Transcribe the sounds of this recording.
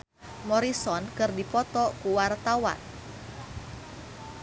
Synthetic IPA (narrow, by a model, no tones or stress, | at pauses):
mɔɾisɔnkɨrdipɔt̪ɔkuwart̪awa̰n